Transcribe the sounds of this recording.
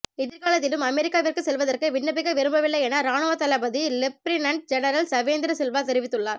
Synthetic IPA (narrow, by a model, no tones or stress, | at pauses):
ɪðɪɾɣaːlɐt̪̬ːɪlɯmɐmɛɾɪkːaːʋɪrkɯsɛlʋɐðɐrkɯʋɪɳːɐbɪɣɐʋɪɾɯmbɐʋɪlːɐjɛnaɾaːnoʋɐt̪ɐlɐbɐðilɪp̚ːɾɪnɐɳʈ̚d͡ʒɛnɐɾɐlsɐʋeːnd̪ɪɾɐsɛlʋaːt̪ɛɾɪʋɪt̪ːɯɭːaːɾ